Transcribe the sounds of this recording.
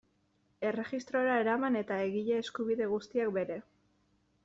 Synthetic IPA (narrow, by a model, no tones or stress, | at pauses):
e̞re̞ʝist̪ɾo̞eɾae̞ɾamane̞t̪ae̞ɣiʎeːskuβiðe̞ɣust̪iak̚be̞ɾe̞